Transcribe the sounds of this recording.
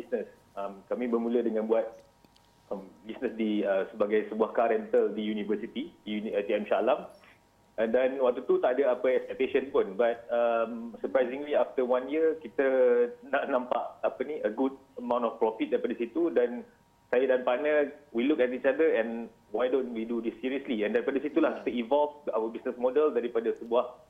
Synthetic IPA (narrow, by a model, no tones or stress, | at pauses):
bisnəs | amkamĩbərmũlədəŋãnbuat̪̚ | əmbisnəsdiəsəbaɡajsəbuahkaɾənt̪əldijunivəsit̪idiunat̪iɛmʃalam | ndanwak̚t̪ut̪ut̪aʔadəapəɛkspɛk̚t̪eʃənpʊnbat̪̚əmsəpɾajzĩŋliaft̪əwãnjəkit̪ənaʔnãmpaʔapəniəɡud̚əmãw̃ntɔfpɾɔfit̪̚daɾipadəsit̪udɛn | sajadanpanəwilukɛt̪it͡ʃadəɛ̃n | wajdõnwidudisːiɾiəsliɛ̃ndaɾipadəsit̪ulahki̥t̪əĩvɔlfa̰wəbisnəsmɔdəldaɾipadəsəbuah